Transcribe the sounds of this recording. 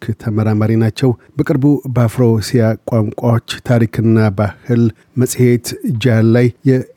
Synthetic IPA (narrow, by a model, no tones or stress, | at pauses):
kt̪ʰəməɾamaɾinat͡ʃːɛwbəkʼɨɾbubəafɾosijakʷʼaŋkʷʼawot͡ʃːt̪ʰaɾikʰɨnːabahɨl | məsʼhe̞t̪d͡ʒalːajjɛ